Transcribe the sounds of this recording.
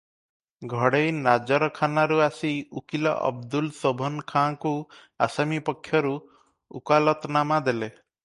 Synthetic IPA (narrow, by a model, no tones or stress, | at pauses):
ɡʱɔɽejnad͡ʒɔɾɔkʰanaɾuasiukilɔ̰ʔɔ̰bd̪ulsobʱɔnkʰãku | a̰samipɔkʰːjɔɾu | ṵkalɔt̪namad̪ele